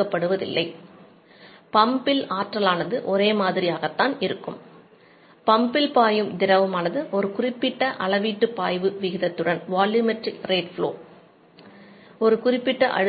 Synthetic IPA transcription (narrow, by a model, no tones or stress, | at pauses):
kːɐpːɐɽɯʋɐðɪ̰lːɐɪ | pɐmbɪlaːʈrɐlaːnɐðɯʔɔɾeːmaːðɪɾɪjaːɣɐt̪ːaːnɪɾɯkːɯm | pɐmbɪlpaːjɯmd̪ɪɾɐʋɯmaːnɐðɯʔɔɾɯkʊrɪpːɪʈːɐʔɐɭɐʋiːʈːɯpaːjʋɯʋɪɣɪðɐt̪ːɯɽɐnʋaːljuːmɛʈrɪkɾeːʈfɭo̰ː | ɔɾɯkʊrɪpːɪʈːɐʔɐ̰ɽ